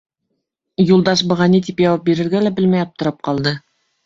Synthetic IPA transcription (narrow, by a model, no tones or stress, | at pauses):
julˠd̪ɑʃbɤ̆ʁɑnit̪ipjɑwɑp̚biɾɘ̆ɾɡælæbɘlmæjɑp̚t̪ɤ̆ɾɤp̚qɑlˠd̪ɤ